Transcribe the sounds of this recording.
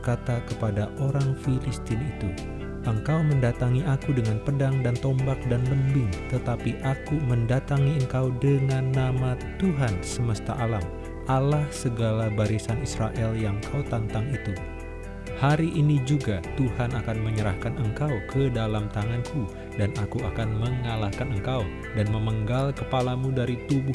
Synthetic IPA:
kat̪akəpadaʔoɾaŋfilist̪ɪnit̪u | ʔəŋkawməndat̪aŋiʔakudəŋanpədaŋdant̪ɔmbak̚danbəndɪŋt̪ət̪apiʔakuməndat̪aŋiəŋkawdəŋanːamat̪uɦansəməst̪a̰ʔalam | alahsəɡalabaɾisanisɾaʔɛljaŋkʰawt̪ant̪aŋit̪u | haɾiʔːnid͡ʒuɡat̪uhanakanməɲəɾa̰hkanəŋkawkʰədalamt̪aŋanku | danakuakanməŋalahkanəŋkaw | danməməŋɡalkəpalamudaɾit̪ubu

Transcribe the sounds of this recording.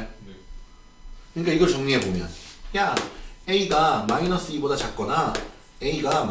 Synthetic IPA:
kɯɲik͈aiɡʌɾɭt͡ɕʌŋɲiɦebomʲjʌnjaeiɡamainʌs͈ɯibod̪at͡ɕak͈ːona | eiɡam

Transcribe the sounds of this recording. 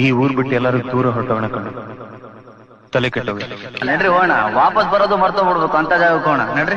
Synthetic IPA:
iːuːɾbiʈːɛlːaːɾuɡud̪uːɾɐɦɔʈːɐːʋɐɳɐkɐɳu | t̪ɐlikeʈːoːɡeneɖɾiɦoːjɐɳa̰ʋaːpɐsbɐɾoːd̪umɐɾt̪oboɽbekuɐnt̪ɐd͡ʒaːɡbekɦoːɐɳa̰neɖɾi

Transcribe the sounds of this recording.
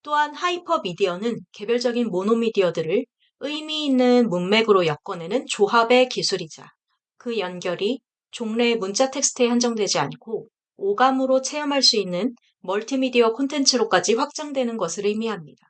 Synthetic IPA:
t͈oɦanhaipʰʌbidiʌnɯnke̞bjʌɭd͡ʑʌɡinmonomidiʌdɯɾɯɭ | ɯimiːnːɯnmunme̞ɡɯɾojʌk̚k͈ʌne̞nɯnt͡ɕoɦabe̞kisʰuɾid͡ʑa̰ | kɯjʌnɡjʌɾi | t͡ɕoŋne̞munt͡ɕ͈atʰe̞k̚s͈ʰɯ̥tʰɯehand͡ʑʌŋdwe̞d͡ʑiankʰo | oɡamɯɾot͡ɕʰejʌmɦaɭs͈uinːɯn | mʌɭtʰimidiʌkʰontʰe̞nt͡ɕʰɯɾok͈ad͡ʑiɸwak̚t͡ɕ͈aŋdwe̞nɯnɡʌsʰɯɾɯmiɦamɲida

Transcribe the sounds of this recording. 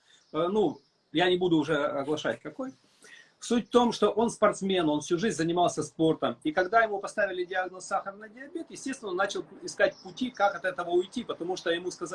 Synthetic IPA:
ənu | janʲɪbud̪ʊːʐɛɐɡlˠɐʂa̰tʲkɐko̞j | sutʲft̪o̞mʂt̪o̞ʔo̞nspɐrt̪smʲe̞no̞nfsʲuʐɨzʲzənʲɪmalˠsʲəspo̞rt̪əmikɐɡd̪ajɪmupɐst̪avʲɪlʲɪdʲɪaɡnəsːaxəɾəvnədʲɪɐbʲet̪jɪsʲtʲest̪vɪnonːat͡ɕɪlˠɪskat̚ʲpʊtʲikakɐt̪ɛt̪əvəʊjtʲipət̪ɐmuʂt̪ojɪmuskɐz

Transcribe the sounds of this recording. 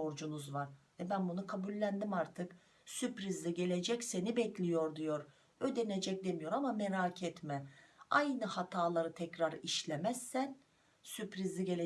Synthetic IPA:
oɾd͡ʒunuzvaɾ̥vɛbænbunukʰabulʲːænd̪imaɾt̪ʰɯk | sypɾizlʲiɟe̞lʲe̞d͡ʒɛcse̞nibɛclʲijo̞ɾd̪ijo̞ɾ | ø̞d̪e̞ne̞d͡ʒɛc̚d̪e̞mijo̞ɾamameɾaːcʰɛt̪mɛajnɯhat̪ʰaːlˠaɾɯt̪ʰɛcɾaɾiʃlʲemɛzːæn | sypɾizlʲiɟe̞lʲe

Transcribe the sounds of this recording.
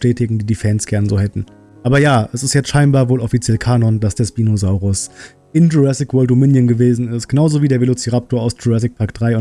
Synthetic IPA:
ʃtɛːtɪɡŋ̩diːdiːfɛnsɡ̥ɛɐnəzoːhɛtn̩ | ʔʔaːbɐjaːɛsɪstjɛt͡stʃaɪnbaːɐvoːlʔɔfit͡sjɛlkʰaːnɔnd̥asd̥ɛsb̥iːnozaʊʁʊs | ʔɪnd͡ʒuʁɛsɪkvɔːltomɪnjənɡəveːzn̩ɪstɡ̥ənaʊzoviːdeːɐvelot͡siʁatʰoːɐaʊsd͡ʒuʁɛs̬ɪk̚pʰaɐktd̥ʁaɪʊn

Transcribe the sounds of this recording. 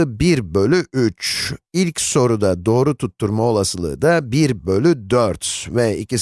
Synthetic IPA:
ɯbiɾbø̞lʲyʔyt͡ʃilʲcso̞ɾud̪ad̪o̞ːɾut̪ʰut̪ʰːuɾmao̞lˠasɯlˠɯ̰ːd̪abiɾbø̞lʲyd̪øɾt̪vɛicis

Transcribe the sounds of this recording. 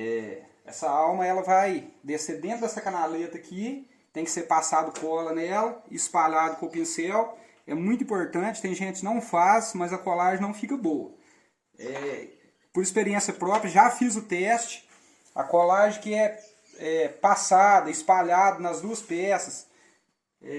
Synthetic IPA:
ɛ̰ | ɛ̰sɐawmɐɛlɐvajd̪esed̪ẽt̪ɾʊd̪ɛsɐkɐnalet̪ɐkʰi | t̪ẽj̃kɪ̥seɾpasad̪ʊkɔ̃ɛlɐnɛlɐspaʎad̪ʊkõʊpĩsɛw | ɛmũj̃t̪ʊĩpoɾt̪ɐ̃t͡ʃɪ̥t̪ẽj̃ʒẽt͡ʃɪkɪnɐ̃w̃fasmɐzɐkolaʒɪ̃nɐ̃w̃fikɐbowɐ̰ | ɛ | poɾispeɾiẽsjɐpɾɔpɾjɐʒafizʊt̪ɛst͡ʃɪ̥ | ɐ̰kolaʒɪ̃kɪɛ | ɛpasad̪ɐispaʎad̪ʊnɐzd̪uɐspɛsɐs | ɛ

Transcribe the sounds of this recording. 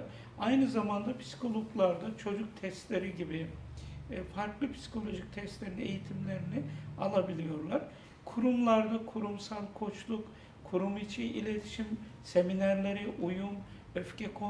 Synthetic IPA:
ajnɯzamand̪apʰi̥si̥kʰo̞lˠoklˠaɾd̪at͡ʃʰo̞d͡ʒuk̚t̪ʰɛst̪lʲe̞ɾiɟibi | faɾklˠɯpʰi̥si̥kʰo̞lʲo̞ʒic̚t̪ʰɛst̪lʲe̞ɾine̞̰jit̪ʰimlʲe̞ɾinɪalˠabilʲijo̞ɾlˠaɾ̥ | kʰuɾumlˠaɾd̪akʰuɾumsalˠkʰo̞t͡ʃlˠuk | kʰuɾumit͡ʃʰiʔḭlʲe̞t̪ʰi̥ʃim | se̞minæɾlʲe̞ɾiʔujum | øfcʰɛkʰo

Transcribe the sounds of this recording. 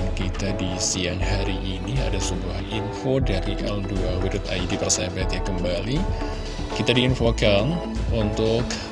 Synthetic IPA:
kit̪adisianhaɾiʔinia̰dasubuɦaninfodaɾiʔalduawiɾʊt̪a̰idipərsabɛt̪jakəmbali | kit̪adiːnfokanunt̪ʊk

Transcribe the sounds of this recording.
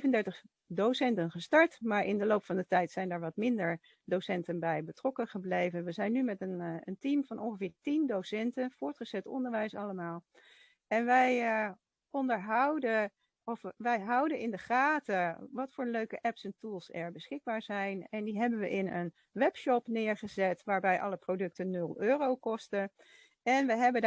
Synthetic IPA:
vəndɛɹtəχ | dowsɛntənχəstɑɹtmaːɹʔɪndəlowpfɑndətɛjtsɛjndaːɹʋɑtmɪndəɹ | dosɛntənbɛjbətrɔkəχəblejvənʋəzɛjnːymɛtənəntimvɑnʔɔnχəvɪːɹtindowsɛntənv̥ʊːɹtχəz̥ɛtɔ̰ndəɹʋɛjsɑləmaːlˠ | ɛnʋɛj | ɔndəɹɦɑwdə | ɔfʋɛjɦɑwdənɪndəχaːtəʋɑtfʊːɹløɥkəʔɛpsɛntulˠsɛɹbəsχɪɡ̚baːɹzɛjnɛndiɦɛbənʋəʔɪnən | ʋɛpʃɔpnɪːɹχəzɛtʋaːɹbɛjʔɑ̰ləprodɵk̚tənɵlˠøːrowkɔstə | ɛnʋəɦɛbə

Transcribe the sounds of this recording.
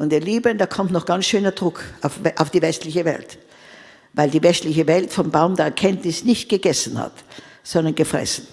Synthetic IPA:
ʔʊntiːɐliːbənd̥aːkʰɔmtnɔχɡ̥ansʃøːnɐdʁʊkʰaʊfʔaʊfd̥iːvɛstlɪçəvɛ̰lt | vaɪldiːvɛstlɪçəvɛltfɔmbaʊmdeːɐɛɐkʰɛntnɪsnɪçt̚ɡ̥əɡɛsn̩ha̰t | z̥ɔndɐnɡ̥əfʁ̥ɛ̰sn̩

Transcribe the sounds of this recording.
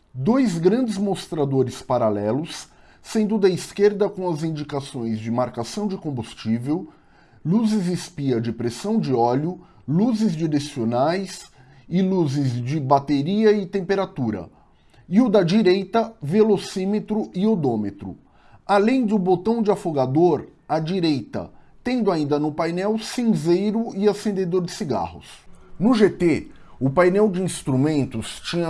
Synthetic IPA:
d̪ojzɡɾɐ̃nd͡ʒɪzmost̪ɾad̪oɾɪspaɾalɛlʊsː | ẽnd̪ʊd̪ɐiskeɾd̪ɐkõw̃ɐzĩnd͡ʒikasõj̃zd͡ʒɪmaɾkasɐ̃w̃d͡ʒɪkõbust͡ʃivew | luzɪzɪspiɐd͡ʒɪpɾesɐ̃w̃d͡ʒɪɔʎʊ | luzɪzd͡ʒiɾesionajs | ɪluzɪzd͡ʒɪbat̪eɾiɐɪt̪ẽmpeɾat̪uɾɐ̰ | ɪʊd̪ɐd͡ʒiɾejt̪ɐvelosĩmet̪ɾʊɪod̪õmet̪ɾʊ̰ | alẽj̃d̪ʊbot̪ɐ̃w̃d͡ʒɪafoɡad̪oɾɐd͡ʒiɾejt̪ɐ̰t̪ẽnd̪ʊaĩnd̪ɐnʊpajnɛwsĩzejɾʊɪasẽnd̪ed̪oɾd͡ʒɪsiɡa̰hʊ̰snʊʒet̪eʊpajnɛwd͡ʒɪĩst̪ɾumẽnt̪ʊst͡ʃĩɲɐ

